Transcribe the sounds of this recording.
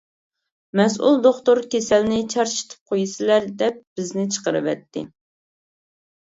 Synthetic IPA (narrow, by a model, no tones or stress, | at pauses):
mɛs̬ʔṵlˠd̪oχt̪oɾkʲʰesɛlnɪt͡ʃʰɑɾʃi̥t̪ʰɨ̥p̚qʰojɨsɨlæɾd̪ɛp̚b̥ɪznɪt͡ʃʰə̥qəɾɨ̰vɛ̰t̪ːɪ̰